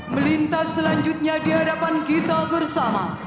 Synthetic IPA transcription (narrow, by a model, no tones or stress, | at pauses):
məlint̪asːəlaɲd͡ʒʊt̪̚ɲadiɦadapankit̪abərsama